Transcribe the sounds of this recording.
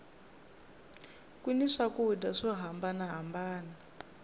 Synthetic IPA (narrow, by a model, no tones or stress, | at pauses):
kuniʂakudaʂɔɦambanaɦambaːna